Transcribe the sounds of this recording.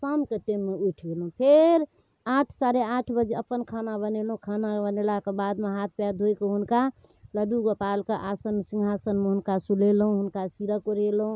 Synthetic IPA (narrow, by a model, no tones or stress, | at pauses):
səmket̪emːeuʈʰɡelɦũpʰeɾ | aʈʰsaɾeaʈʰbəd͡ʒeəpənkʰanabənelɦũkʰanabənelakebad̪meɦat̪̚ʰpjad̪ʱojkeɦunka | ləɖuɡopalkeʔasənsĩŋɡʱasənmeɦunkasulelɦũɦunkasiɾəkoɾelɦũ